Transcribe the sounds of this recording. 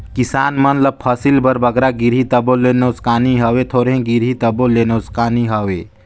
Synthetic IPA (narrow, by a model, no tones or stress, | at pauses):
kɪsaːnmɐnləb̚pʰəsilbɐɾbɐɡɾaɡiɾɦit̪ɐbolenoːskaːniɦɐwet̪ʰoːɾẽɡiɾɦit̪ɐboleːnoːskaːniɦɐweː